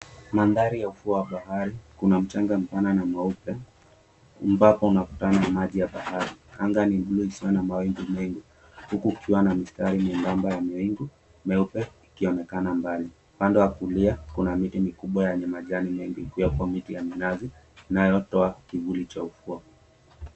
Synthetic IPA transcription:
manðaɾijaufuawaɓahaɾikunam̩t͡ʃaŋɡam̩pananamaupɛ | mbapɔunaku̥tananamaʄijaɓahaɾia̰ŋɡaniɓluisiwanamawiŋɡumɛŋɡi | hukuːkʰiwanamistaɾimuŋɡambajamiiŋɡu | mɛupɛikiɔnɛkanambali | upandɛwakuliakunamitimikuɓwajaɲamaʄanimɛŋɡikijakwamitijaminazi | najɔtɔakivulit͡ʃaufua

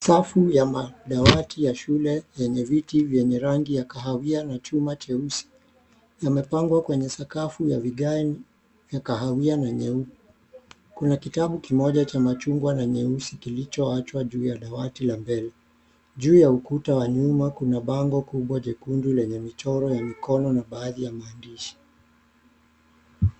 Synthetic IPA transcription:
safujamaɗawatijaʃulɛjɛɲɛvitivjɛɲɛɾaŋɡijakaɦawianat͡ʃumat͡ʃɛusi̥ | jamɛpaŋɡwakwɛɲɛsakafujaviɡaɛn | vjakaɦawianaɲɛuku̥ | kunakitaɓukimɔʄat͡ʃamat͡ʃuŋɡwanaɲɛusikilit͡ʃɔat͡ʃwaʄuːjaɗawatilambɛlɛ | ʄuːjaukutawaɲumakunaɓaŋɡɔkuɓwaʄɛkundulɛɲɛmit͡ʃɔɾɔjamikɔnɔnaɓaːðijamaːndiʃi̥

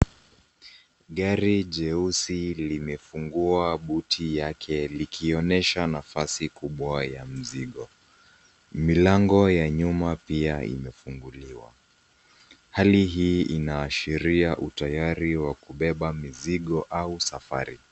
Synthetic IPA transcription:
ɠaɾiʄɛusilimɛfuŋɡuaɓutʰijakʰɛlikʰiɔnɛʃanafasikuɓwajam̩ziɠɔ | milaŋɡɔjaɲumapiaḭmɛfuŋɡuliwa̰ | haliɦiːʔinaːʃiɾiaʔutajaɾiwakuɓɛɓamiziɠɔʔausafa̰ɾi

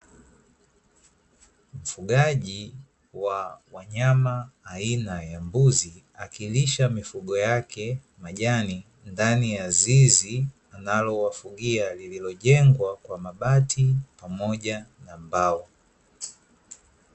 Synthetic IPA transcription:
m̩fuɠaʄi | wawaɲamaːinajambuzi | akiliʃamifuɠɔjakʰɛ | maʄani | ndanijazizi | analɔwafuɡialililɔʄɛŋɡwakwamaɓatʰipamɔʄanambawɔ

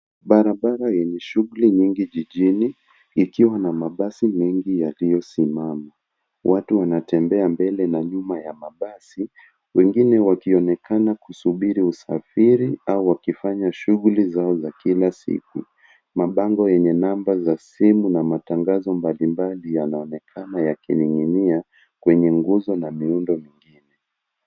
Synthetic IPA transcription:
ɓaɾaɓaɾajɛɲɛʃuɣuliɲiŋɡiʄiʄiniː | kiwanamaɓasimɛŋɡijalijɔsimama | wʔatuwanatɛmbɛambɛlɛnaɲumajamaɓasi | wɛŋɡinɛwakiɔnɛkʰanakusuɓiɾiusafiɾiauwakifaɲaʃuɣulizaɔzakilasḭk̚u | maɓaŋɡɔjɛɲɛnambazasimunamataŋɡazɔmbalimbalijanaɔnɛkʰanajakiniŋinia | kwɛɲɛŋɡuzɔnamiundɔmiŋɡinɛ

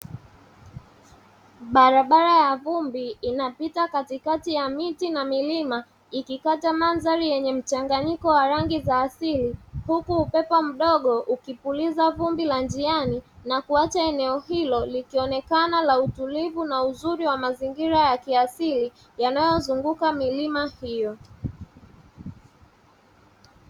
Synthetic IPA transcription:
ɓaɾaɓaɾajavumbiːnapitakatikatijamitinamilima | ikikatamanzaɾijɛɲɛm̩t͡ʃaŋɡaɲikɔwaɾaŋɡizaːsilihukuːpɛpɔm̩ɗɔɠɔʔukipulizavumbiland͡ʒianinakuat͡ʃaɛnɛɔhilɔlikiɔnɛkanalautulivunauzuɾiwamaziŋɡiɾajakiasili | janajɔzuŋɡukamilimahijɔ

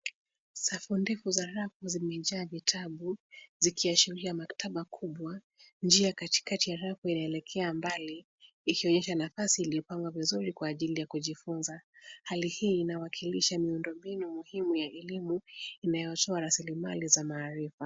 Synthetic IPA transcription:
safundɛfuzaɾafuzimɛʄaːvitʰaɓuzikʰiaʃiɾiamaktʰaɓakʰuɓwa | nd͡ʒiakati̥katijaɾafuinaɛlɛkʰɛambaliː | kiɔɲɛʃanafasiːliɔpaŋɡwavizuɾikwaːʄilijakuʄifunzahalihiːnawakʰiliʃamiundɔmbinumuhimujaʔɛlimuinajɔtɔaɾasilimalizamaːɾifa

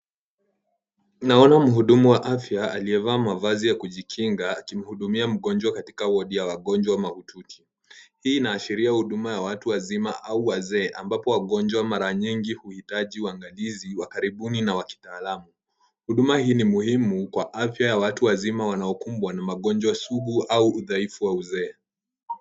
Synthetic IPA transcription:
naɔnam̩ɦuɗumuwaʔafjaaliɛvaːmavazijakuʄikʰiŋɡaːkim̩huɗumiam̩ɠɔnd͡ʒwakati̥kawɔɗijawaɠɔnd͡ʒwamahutʰukʰi̥ | hiːnaːʃiɾiahuɗumajawatuwazimaʔauwazɛːʔambapɔwaɠɔnd͡ʒwamaɾaɲiŋɡihuhitaʄiuaŋɡaliziwakaɾiɓuninawaki̥taːlamu | huɗumahiːnimuhimukwaʔafjajawatuwazimawanaɔkumbwanamaɠɔnd͡ʒwasuɡuauːðaifuwauzɛː

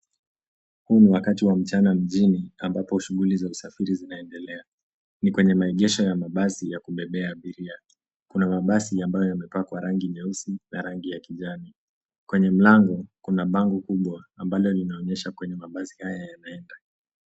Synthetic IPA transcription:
huniwakatiwam̩t͡ʃanam̩ʄiniambapɔʃuɣulizausafiɾizinaɛndɛlɛa | nikwɛɲɛmaɛʄɛʃɔjamaɓasijakuɓɛɓɛaːɓiɾia | kunamaɓasiambajɔjamɛpakwaɾaŋɡiɲɛusinaɾaŋɡijakiʄani | kwɛɲɛm̩laŋɡɔkunaɓaŋɡɔkuɓwaːmbalɔlinaɔɲɛʃakwɛɲɛmaɓasihajajanaɛnda

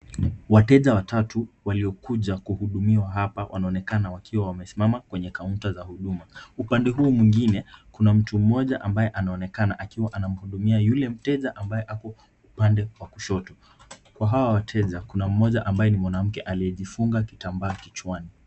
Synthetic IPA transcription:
watɛʄawatatuwaliɔkuʄakuhuɗumiwaɦapawʔa̰naɔnɛkanawakʰiwawamɛsimamakwɛɲɛkauntazahuɗumaupandɛɦuːmwiŋɡinɛkunam̩tum̩mɔʄaʔambajɛʔanaɔnɛkanaʔakiwaʔanam̩huɗumiajulɛm̩tɛʄaʔambajɛʔakɔ | upandɛwakuʃɔtɔ | kwaɦawawatʰɛʄakunam̩mɔʄaʔambajɛnimwanam̩kɛʔaliɛʄifuŋɡakitambaːkit͡ʃwani

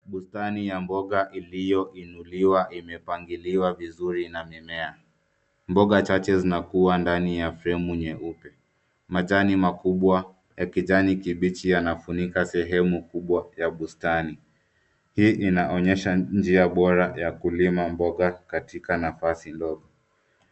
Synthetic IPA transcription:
ɓustanijambɔɠaʔilijɔʔinuliwaʔimɛpaŋɡiliwavizuɾinamimɛa | mbɔɠat͡ʃat͡ʃɛzinakuwandanijafɾɛmuɲɛʔupɛ | maʄanimakuɓwa | jakiʄanikiɓit͡ʃijanafunikasɛɦɛmukuɓwajaɓustani | hiːʔinaʔɔɲɛʃand͡ʒiaɓɔɾajakulimambɔɠakatikanafasindɔɠɔ

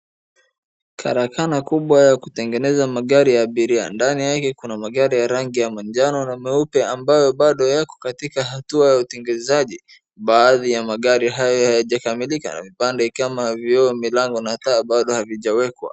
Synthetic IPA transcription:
kʰa̰ɾakanakuɓwajakutɛŋɡɛnɛzamaɠaɾijaːɓiɾia̰ndanijakɛkunamaɠaɾijaɾaŋɡijamand͡ʒanɔnamɛupɛambajɔɓaɗɔjakɔ̥katikaɦatuajautiŋɡɛzaʄi | ɓaːðijamaɠaɾiɦajɔhajaʄakamilika̰na̰vipandɛkamavjɔːmilaŋɡɔnataːɓaɗɔhaviʄawɛkwa̰

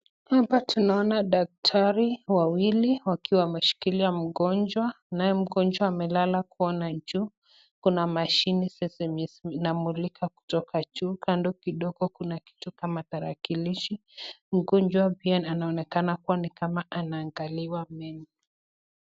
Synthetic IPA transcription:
hapatunaɔnaɗak̚tʰaɾiwawiliwakʰiwamɛʃi̥kiliam̩ɡɔnd͡ʒwa | najɛm̩ɡɔnd͡ʒwaːmɛlalakuɔnad͡ʒuː | kunamaʃinisɛsɛmisnamulikʰaku̥tɔkʰat͡ʃukʰandɔkiɗɔɡɔkunaki̥tukamataɾa̰kiliʃi | m̩ɡɔnd͡ʒwabiananaɔnɛkanakuwanikamaʔanaːŋɡaliwamɛni

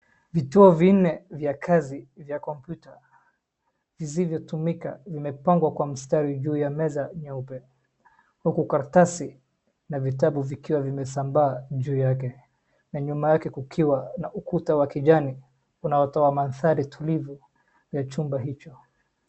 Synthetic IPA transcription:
vituɔvin̩nɛvjakʰazivjakɔmpjuta | vizivjɔtumika̰vimɛpaŋɡwakwamistaɾiʄuːjamɛzaɲaupɛ | hukukaɾtasi | navitaɓuvikiwavimɛsambaːʄuːjakɛ | naɲumajakɛkukʰiwanaʔukutawakiʄani | unaɔtɔwamanθaɾitʰulivu | jat͡ʃumbaɦit͡ʃɔ

